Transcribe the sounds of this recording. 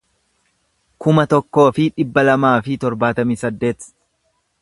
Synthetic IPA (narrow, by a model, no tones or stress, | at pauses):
kʊmɐt̪ɔkːo̞ːfɪᶑɪbːɐlɐmaːfɪt̪ɔɾbaːt̪ɐmiːsɐd̪ːe̞ːt̪